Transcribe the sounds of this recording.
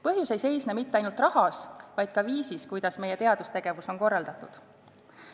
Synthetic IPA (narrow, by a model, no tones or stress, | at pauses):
pɤɦjuse̞jse̞jsnemit̪ːeɑjnult̪rɑhɑsvɑjd̪̥̚kɑviːsiskujd̪̥ɑsme̞je̞t̪e̞ɑd̪̥ust̪e̞ɡ̥evuso̞nko̞rːɑld̪̥ɑt̪ːˑud̪̥